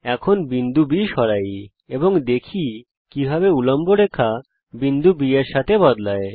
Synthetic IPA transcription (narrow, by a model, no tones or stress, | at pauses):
ɛkʰonbind̪ubiʃɔɾaj | eboŋd̪ekʰi | kibʱaβeulɔmboɾekʰa | bind̪ubieɾʃat̪ʰebɔd̪lae